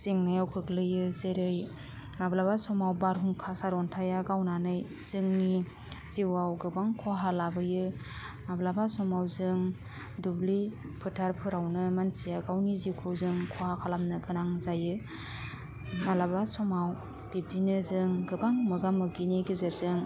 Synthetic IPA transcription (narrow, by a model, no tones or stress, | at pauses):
z̥iŋnajawkʰɯklɯjɯzeɾɯj | mablabasɔmawbaɾɦuŋkʰasaɾɔntʰajaɡawnanɯj | z̥ɯŋni | z̥iwawɡɯbaŋkʰɔɦalabɯjɯ | mablabasɔmawzɯŋ | dubli | pʰɯtʰaɾpʰɯɾawnɯmansijaɡawniziwkʰɯwzɯŋkʰɔhakʰalamnɯɡɯnaŋzajɯ | malabasɔmaw | b̥ib̚dinɯzɯŋɡɯbaŋmɯɡamɯɡiniɡizɯɾzɯŋ